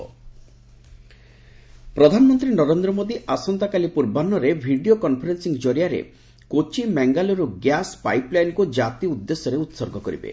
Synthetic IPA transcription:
pɾɔd̪ʱanɔmɔnt̪ɾinɔɾend̪ɾɔmod̪iʔasɔnt̪akalipuɾbanːɔɾebʱiɖiokɔnpʰɔɾensiŋd͡ʒoɾijaɾḛ | kot͡ʃimɛŋɡalɔɾuɡjaspajplajnkud͡ʒat̪iud̪ːesːɔɾeut̪sɔɾɡʱɔkɔɾḭbḛ

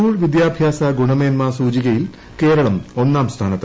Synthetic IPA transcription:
uːɭʋid̪jaːbʱjaːsɐɡuɳɐmeːnmasuːd͡ʑiɣɐjil | ke̞ːɾɐɭɐmo̞nːaːmst̪ʰaːnɐt̪ːɐ

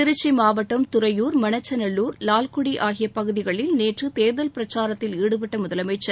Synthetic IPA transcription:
ɪɾɯt͡ʃːimaːʋɐʈːɐmt̪ʊɾɐjuːɾmɐnɐt͡ʃːɐnɐɭːuːɾlaːlkʊɽiʔaːɣɪjɐpɐɣɯðɪɣɐɭɪlneːʈrɯt̪eːɾðɐlpɪɾɐt͡ʃaːɾɐt̪ːɪliːɽɯpɐʈːɐmʊðɐlɐmɐɪt͡ʃːɐ

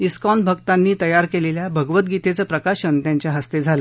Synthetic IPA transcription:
iskɔnbʱəɡt̪anːiːt̪əjaɾkeleljabʱəɡʋət̪̚ɡit̪et͡səːpɾəkaɕənt̪jaɲt͡ɕjaɦəst̪ed͡zʱalo

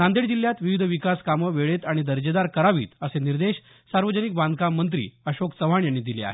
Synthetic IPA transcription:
nand̪eɽd͡ʑiljat̪ʋiʋid̪ʱəʋikaskaməʋeɭet̪aɽ̃id̪əɾd͡ʑəd̪aɾkəɾaʋḭːt̪əseniɾd̪eɕ | saɾʋəd͡ʑənik̚bãnd̪ʱkamːənt̪̬ɾḭːəɕokt͡səʋ̤aɳjanːid̪ilea̰ɦe

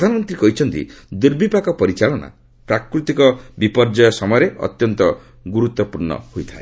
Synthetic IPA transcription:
d̪ʱanɔmɔnt̪ɾiekɔɦit͡ʃʰɔnt̪ḭd̪iɾbʱipakɔpɔɾit͡ʃaɭɔna̰ | pɾakɾut̪ikɔbipɔɾd͡ʒajɔsɔmɔjɔɾeɔ̰t̪jɔnt̪ɔ | ɡuɾut̪wɔpuɾɳɔ̰hojt̪ʰae

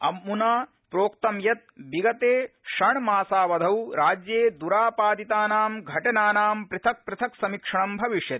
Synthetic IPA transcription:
ɐmːunaː | pɾoːkt̪ɐmjɐt̪̚biɡɐt̪eːʃɐɳmaːsaːʋɐd̪ʱɐwɾaːd͡ʒjeːd̪uɾaːpaːd̪it̪aːnaːmɡʱɐʈɐnaːnaːmpɾɨt̪ʰɐk̚pɾɨt̪ʰɐksɐmikʂɐɳɐmbʱɐʋiʂjɐt̪

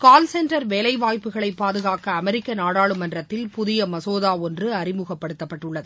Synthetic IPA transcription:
kaːlsɛnʈɐɾʋeːlɐɪʋaːjpɯɣɐɭɐɪpːaːðɯɣaːkɐːmɛɾɪkːɐnaːɽaːɭɯmɐndrɐt̪ːɪlpʊðɪjɐmɐsoːðaːɔndrɯɐrɪmɯɣɐpːɐɽɯt̪ːɐpːɐʈːɯɭːɐðɯ

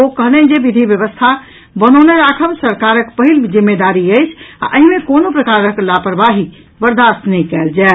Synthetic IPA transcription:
okəɦnɛd͡ʒebid̪ʱibjəβəst̪ʰa | bənəneɾakʰəmsəɾkaɾəkpəɦild͡ʒimːed̪aɾiəjt͡ʃʰa̰ʔəɦimekonopɾəkaɾəklapɾbaɦi | bəɾd̪ʱast̪nɛikɛld͡ʒa

